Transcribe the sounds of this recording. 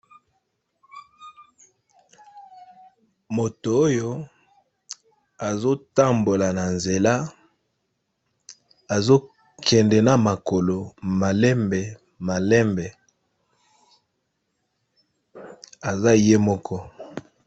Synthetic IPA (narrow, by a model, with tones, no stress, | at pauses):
mo˨to˨o˦jo˦ | a˨zo˦ta˦mbo˨la˨na˨nze˨la˦ | a˨zo˦ | kʰɛ˨ndɛ˨na˦ma˨ko˨lo˨ma˨lɛ˦mbɛ˨ | ma˨lɛ˦mbɛ˨ | a˨za˦˨je˦mɔ˦kʰɔ˦